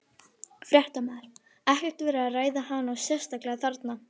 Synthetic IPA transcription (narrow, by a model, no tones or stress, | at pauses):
fɾjɛht̪amɛðɾ̥ | ɛhcɛɾ̥t̪vɛːɾaaðraːjðahanːawsjɛr̥st̪aklɛɣaθaɾt̪na